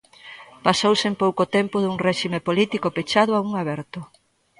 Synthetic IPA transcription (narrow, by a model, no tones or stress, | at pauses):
pasowsempowkot̪empʊðuŋrɛʃimepolit̪ikopet͡ʃaðʊauŋaβɛɾt̪ʊ